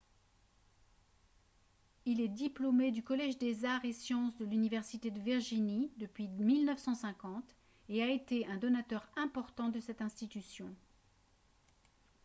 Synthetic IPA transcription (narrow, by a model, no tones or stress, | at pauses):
ilɛd̪iplomed̪ykɔlɛʒd̪ezaʁesjɑ̃sd̪əlynivɛʁsit̪ed̪əviʁʒinid̪əpɥimilnœfsɑ̃sɛ̃kɑ̃t̪ | eaet̪eɛ̃d̪ɔnat̪œʁɛ̃pɔʁt̪ɑ̃d̪əsɛt̪ɛ̃st̪it̪ysjɔ̃